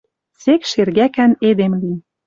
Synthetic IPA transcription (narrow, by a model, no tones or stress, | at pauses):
sekʃerɣækæned̪emli